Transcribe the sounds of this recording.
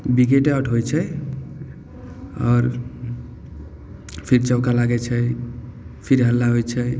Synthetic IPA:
biɡeʈeəʈʰɦojt͡ʃʰə | ɔːɾ | pʰiɾt͡ʃəwkalaɡɛt͡ʃʰə | pʰiɾɦəlːaɦojt͡ʃʰə

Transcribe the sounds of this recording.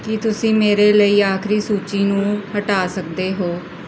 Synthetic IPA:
kɪt̪ʊsĩːmeːɾeːləiːaːkʰɾiːsuːt͡ʃiːnũːhəʈaːsək̚d̪eːɦoː

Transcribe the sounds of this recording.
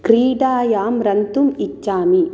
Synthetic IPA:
kɾiːɖaːjaːmɾɐnt̪umit͡ʃːaːmi

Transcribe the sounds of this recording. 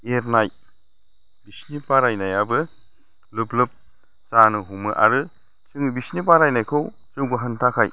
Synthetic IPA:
eɾnaj | bisnipaɾajnajabɯ | lɯplɯp̚ | sanɯɦumɯʔa̰ɾɯ | sɯŋbisnipaɾajnajkʰɯw | zɯwɡɯɦɯntʰakʰaj

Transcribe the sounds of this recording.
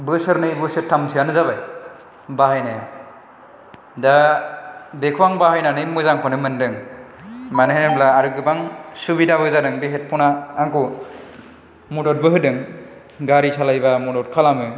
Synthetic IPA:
bɯsɯɾnɯjbɯsɯtʰːamsɯjanɯzabaj | baɦajnaja | da | bekʰuwaŋbahajnanɯjmɯzaŋkʰɔnɯmɯndɯŋ | manɯɦenɯblaːɾɯɡɯbaŋsubidabɯzadɯŋbeɦet̚pʰɔnaːŋku | mudɔt̚bɯɦɯdɯŋ | ɡaɾisʰalajbamudɔt̚kʰalamɯ

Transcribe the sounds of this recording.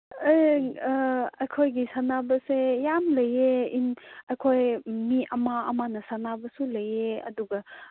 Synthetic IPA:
aj | ɐjkʰojɡisanabɐsejamlɐjeinɐjkʰojmiʔɐmaɐmanɐsanabɐsulɐjeɐ̰duɡɐ

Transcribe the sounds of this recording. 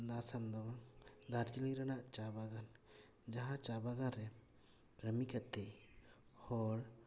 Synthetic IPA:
d̪asamd̪ɔbaŋd̪aɾd͡ʒiliɾanaʔt͡ʃabaɡan | d͡ʒaɦãt͡ʃabaɡanɾɛ | kɾəmikat̪ːɛjhɔɽ

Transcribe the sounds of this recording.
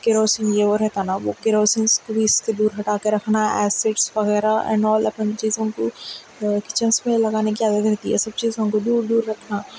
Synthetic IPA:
kɪɾoːsĩnd͡ʒeːʋəɾɛɦt̪aːnaʋoːkɪɾoːsinskobʱiɪsk̪ed̪uːɾɦɐʈaːkeɾɐkʰnaɛ̰ːseːʈsʋɐɣɛːɾaɛ̰̃ːnɔːlɐpənt͡ʃiːzõko | kɪt͡ʃə̃nsmẽlɐɡaːnekiaːd̪ət̪ɾɛɦt̪iɦɛsɐb̚t͡ʃiːzõnkod̪uːɾd̪uːɾːɐkʰnaː

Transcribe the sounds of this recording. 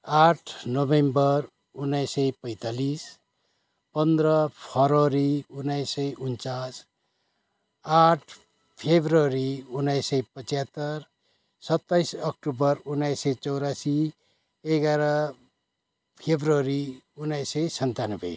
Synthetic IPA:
aʈʰnobembʌr | unːʌjsʌjpʌjt̪alis | pʌnd̪rʌpʰʌɾʌɾiunːʌjsʌjunt͡sas | aʈʰ | pʰebʱrʌɾiunːʌjsʌjpʌt͡sjat̪ːʌr | sʌt̪ːajsʌk̚ʈubʌrunːʌjsʌjt͡sʌwɾasi | eɡaɾʌ | pʰebrʌɾiunːʌjsʌjsʌnt̪anʌbʌ̰

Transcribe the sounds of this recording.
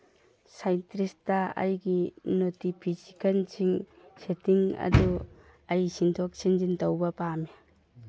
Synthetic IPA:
sajntɾistɐɐ̰jɡinotipʰisikʰɐnsʰiŋ | setʰiŋɐ̰du | ajsintʰɔk̚sind͡ʒintawbɐpami

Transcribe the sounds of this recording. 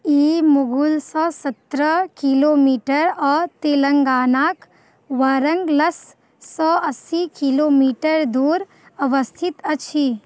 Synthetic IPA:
iːmʊɡulsɔːsɐt̪ɾəkiloːmiːʈəɾɔːɾt̪eːlə̃ŋɡaːnaːk | ʋaːɾə̃ŋɡlɐsː | ɔːɐsːikiloːmiːʈəɾd̪uːɾ | ɐʋəst̪ʰɪt̪ɐʃʰiː

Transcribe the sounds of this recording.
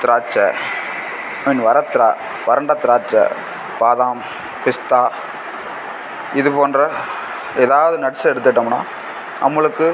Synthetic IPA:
t̪ɪɾaːt͡ʃːɐ̰ | ɪnʋɐɾɐt̪ːɪɾa̰ː | ʋɐɾɐɳɖɐt̪ɪɾaːt͡ʃːɐ̰ | paːðaːm | pɪst̪aː | ɪðɯpoːndrɐ | eːðaːʋɐðɯnɐɽsɐɛɽɯt̪ːɐʈːɐmna̰ː | ɐmːɐɭɯkːɯ

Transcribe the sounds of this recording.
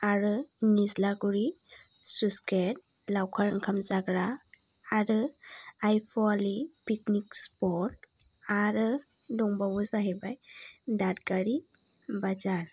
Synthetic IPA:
aɾɯnizlaɡuɹisusket̚ | lawkʰaɾaŋkʰamzaɡɾaː | ɾɯajpʰɔalipiknikspɔtaɾɯ | dɔŋbabuzaɦɛbajdatɡaɾi | bad͡ʒan

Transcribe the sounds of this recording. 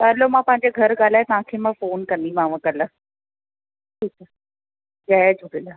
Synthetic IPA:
t̪alomãːpɐ̃ɦɪ̃ɲd͡ʑeɡʱɐɾɡaːl̤aːjt̪ɐʋ̤ãkʰeːmãfoːnkɐ̃nd̪ĩmãːʋə̃kəla | ʈʰiːk̚a | d͡ʑaɛd͡ʑʱʊʈila

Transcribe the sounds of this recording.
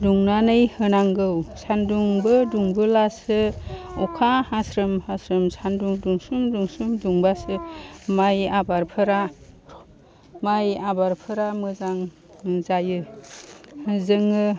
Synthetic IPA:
duŋnanɯjhɯnaŋɡɯwsanduŋbɯduŋbɯlasɯukʰahasɾɯmhasɾɯmsanduŋduŋsumduŋsumduŋbasɯmajabaɾpʰɯɾa | majabaɾpʰɯɾamɯzaŋ | zajɯ | zɯŋɯ

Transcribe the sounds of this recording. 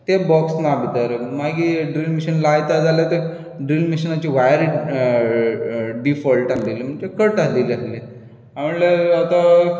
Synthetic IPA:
t̪ebɔksnabʱit̪əɾmaɡiɖɾilmiɕənlajt̪ad͡zaljat̪e | ɖɾilmiɕənat͡ɕiːʋajəɾ | ɖifɔlʈalilim̤əɳd͡ʑekəʈalilale | aməɳleat̪a

